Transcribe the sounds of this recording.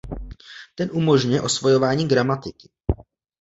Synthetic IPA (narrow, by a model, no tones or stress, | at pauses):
t̪ɛnʔumo̞ʒɲujɛʔo̞svojo̞vaːɲiːɡɾamat̪ɪkɪ